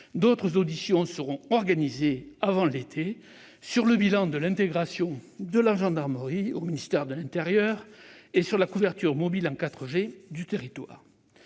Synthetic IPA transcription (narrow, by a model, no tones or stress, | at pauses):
d̪ot̪χəzod̪isjɔ̃səʁɔ̃ɔʁɡanizeavɑ̃let̪ʰe | syʁləbilɑ̃d̪əlɛ̃t̪eɡʁasjɔ̃d̪əlaʒɑ̃d̪aʁməʁiominist̪ɛʁd̪əlɛ̃nt̪eʁjœʁesyʁlakuvɛʁt̪yʁmɔbilɑ̃kat̪χəʒed̪yt̪eʁit̪wa̰ːʁ